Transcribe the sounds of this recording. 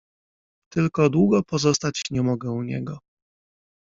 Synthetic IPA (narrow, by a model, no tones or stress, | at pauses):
t̪ɘlkɔd̪wuɡɔpɔzɔst̪at͡ɕɲɛmɔɡɛuɲɛ̰ɡɔ